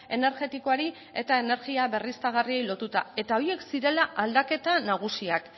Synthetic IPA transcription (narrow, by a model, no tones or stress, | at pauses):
e̞ne̞ɾɣe̞t̪iko̞aɾi | e̞t̪ae̞ne̞ɾɣiaβe̞rist̪aɣ̞arie̞jlo̞t̪ut̪a̰e̞t̪ao̞ie̞ksiɾe̞laʔald̪ake̞t̪anaɣ̞usiak